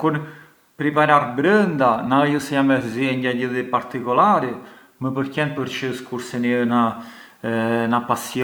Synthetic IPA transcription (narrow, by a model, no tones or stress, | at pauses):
kuɾ | pɾipaɾaɾbɾənd̪anajusɛjamɛɾziɛɲɟaɟəðipaɾt̪ikɔlaɾi | məpəɾkɛn̚pəɾt͡ʃəskuɾsɛniəna | napasjɔ